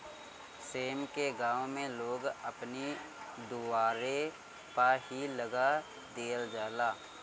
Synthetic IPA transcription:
seːmkeɡãːʋmẽloːɡəpnid̪uʋaːɾe | paɦiləɡa | d̪eːəld͡ʒaːlaː

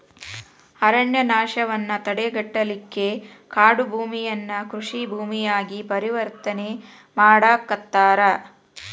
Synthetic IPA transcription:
ɐɾɐɳjɐnaːʃɐʋɐnːɐt̪ɐɽeɡɐʈːɐlikːe̞ | kaːɽubʱuːmijɐnːɐkɾuʂibʱuːmijaːɡipɐɾiʋɐɾt̪ɐne̞ | maːɽaːkːɐt̪ːaːɾɐ

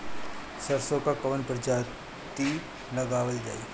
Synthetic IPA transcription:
səɾsõkakɐʋənpɾəd͡ʒaː | t̪i | lɐɡaːʋəld͡ʒaːiː

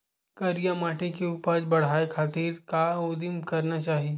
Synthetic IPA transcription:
kɐɾijamaːʈẽkeuːpəbɐɽ̤aːekʰaːt̪iːɾkaod̪ɪmkɐɾnat͡ʃaːɦi

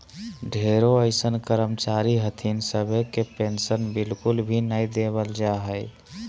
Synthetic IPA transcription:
ɖʱeɾoəɪsənkəɾəmt͡ʃaɾiɦət̪ʰinsəbʱekepensənbɪlkʊlbʱinəid̪eβəld͡ʒaɦəj

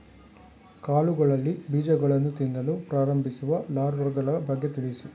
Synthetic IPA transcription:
kaːluɡɐɭɐlːibiːd͡ʒɐɡɐɭɐnːut̪ind̪ɐlupɾaːɾɐmbʱisuʋɐlaːɾʋɐɾɡɐɭɐbʱɐɡjɐt̪iɭisu

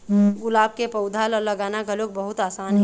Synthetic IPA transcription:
ɡʊlaːb̚kepəʊd̪ʱalɔləɡaːnakəlokbəɦʊt̪aːsaːnɦ

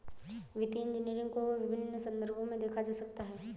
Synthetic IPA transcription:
ʋɪt̪iɪ̃ɲd͡ʒɪniːɾɪ̃ŋɡkoʋɪbʱɪnːəsɐ̃nd̪əɾbʱõmẽd̪eːkʰad͡ʒaːsɐkt̪aɦɛː

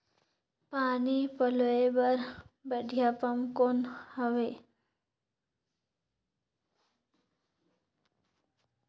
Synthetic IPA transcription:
panipəloebəɾbəɖʱijapəmkonhəʋe

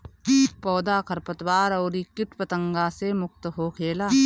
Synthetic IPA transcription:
pɔːd̪aːkʰɐɾpət̪waːɾɐːɾiːkɪʈpət̪ə̃ŋɡaːsemʊk̚t̪əɦokʰeːlaː

